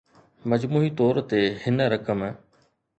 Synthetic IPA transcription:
mɐd͡ʑmuːit̪ɔːɾt̪ehɪnɾɐkəm

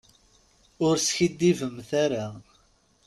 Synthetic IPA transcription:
ʊɾsçid̪ːivəmθaɾa

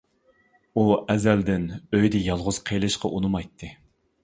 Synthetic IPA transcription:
uɛzæld̪ɪnøjd̪ɪjɑlˠʁʊz̥qʰejlˠɨʃqɑʔunɨmɑjt̪ʰːɨ

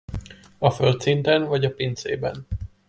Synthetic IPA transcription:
ɒfølt̪sint̪ɛnvɒɟɒpint̪sḛːbɛ̰n

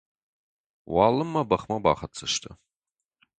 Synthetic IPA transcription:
wɑːlɨmːɐbɐχmɐba̰ːχɐt͡sʰɐʃtʰɐ

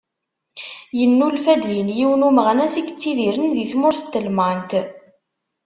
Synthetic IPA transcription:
jənːulfæd̪jinjiwənuməʁnæsikːət͡sːiðiɾənðiθmʊɾθə̥t̪ːəlmant̪

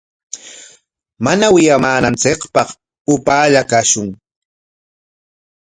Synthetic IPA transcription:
manawɪjamaːnant͡sɪkpɑχ | ʊpaːʎakaʃʊŋ

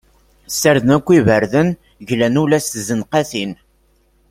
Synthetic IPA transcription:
sːəɾðənækʷːivəɾðən | ʝlænulæsθzənqæθin

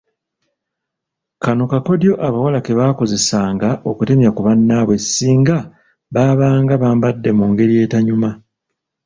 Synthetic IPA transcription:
kanokako̞djo̞ʔaβawalake̞βaːko̞ze̞saːŋɡaʔo̞kute̞mjakuβanːaβwe̞siːŋɡa | βaːβaːŋɡaβaːmbadːe̞muːŋɡe̞ɾije̞ːtaɲuma

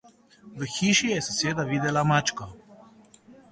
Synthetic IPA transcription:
ʋəxiːʃijɛsaseːd̪aʋiːd̪ɛlamat͡ʃkɔ

